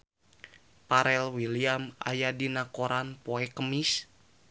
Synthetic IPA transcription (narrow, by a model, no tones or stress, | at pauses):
paɾɛlwiliama̰jadinakoɾanpoɛkəmis